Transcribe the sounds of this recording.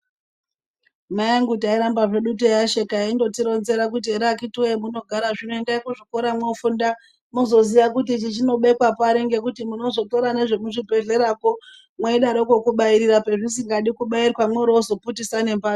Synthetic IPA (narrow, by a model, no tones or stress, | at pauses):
majaŋɡutaiɾambaʐe̞ɗutojaʃekaindo̞tiɾo̞nze̞ɾak̬ut̬ieɾakituemuno̞ɡʱaɾaʐino̞endakuʐikoɾamwofunda | muzo̞ziʋakutit͡ʃit͡ʃino̞ɓeikwapaɾeŋɡe̞kutimuno̞zo̞to̞ɾane̞ʐe̞muʐibʱe̞ɮe̞ɾako | mweiɗaɾoko̞kuɓaiɾirape̞ʐisiŋɡaɗikuɓairkwamweɾoozo̞putisane̞mba